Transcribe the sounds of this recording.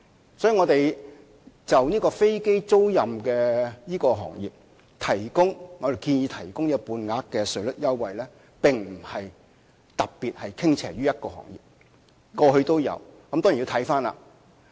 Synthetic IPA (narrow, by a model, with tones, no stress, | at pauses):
sɔː˨˥ji˨˧ŋɔ˨˧t̪e˨j | t͡sɐ˨wniː˥kɔː˧fe˥jke˥jt͡so˥wjɐ˨mkɛː˧niː˥kɔː˧ɦɔ̰ː˨˩ŋjḭː˨p̚ | t̪ʰɐ˨˩jkʊ˥ŋŋɔ˨˧e˨˩jkiː˧njiː˨˧t̪ʰɐ˨˩jkʊ˥ŋniː˥˧puː˨˧nŋaː˨˧kkːɛː˧sɵ˨˥ɥlɵ˥t̚jɐ˥wːɐ˨jlɛː˥ | pɪ˨ŋm̩˨˩hɐ˨j | t̪ɐ˨k̚piː˨t̚hɐ˨jkʰɪ˥ŋt͡sʰɛ̰ː˨˩ɥyː˥jɐ˥t̚kɔː˧hɔ̰ː˨˩ŋjḭ˨p̚ | kɔː˧ɦɵ˧t̪o˥wjɐ̰˨˧wkɐ˦mt̪ːŋjt̪ʰɐ˨˥jfaː˥nla̰ː˧˨